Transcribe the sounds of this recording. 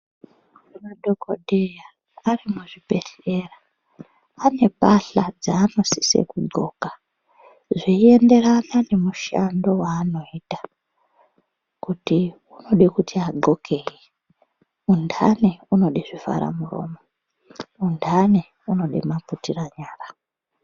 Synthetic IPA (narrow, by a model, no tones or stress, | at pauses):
imaɗo̞koɗeja | arimuʐipe̞ɬe̞raː | ne̞paɬad͡zaːno̞si̥sḛkud͡zo̞ːka | ʐie̞nde̞ranane̞muʃando̞waːno̞iːtḁ | kuti | uno̞ɗikutʰiaɡo̞kʰe̞je | undʱaneuno̞ɗiʐiva̰ɾa̰muro̞̰ːmo | undʱane | uno̞ɗḛmaputiraɲaːra